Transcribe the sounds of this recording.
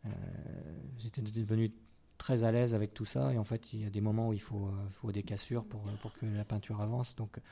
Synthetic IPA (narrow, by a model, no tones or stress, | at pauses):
ø̰ | ʒet̪ɛd̪əəvəny | t̪χɛzalɛzavɛk̚t̪usa̰eɑ̃fɛt̪ʰiljad̪emɔmɑ̃uilfoifod̪ekasyʁpuʁøpuʁkʰəlapɛ̃t̪ʰyʁavɑ̃sd̪ɔ̃k